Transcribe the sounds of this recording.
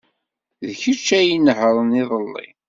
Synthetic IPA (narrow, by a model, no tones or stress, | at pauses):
ðçət͡ʃːæjinəhɾˤəniðˤəlːḭ